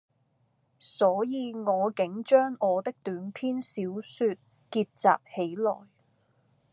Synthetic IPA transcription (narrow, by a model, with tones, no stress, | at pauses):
sɔː˨˥jiː˨˧ŋɔː˨˧kɪ˨˥ŋt͡ʃœː˥ŋɔː˨˧t̪ɪ˥k̚t̪yː˨˥npʰiː˥nsiː˨˥wsyː˧t̚ | kiː˧t̚t͡sa̰ː˨p̚he˨˥jlɔ̰ː˨˩j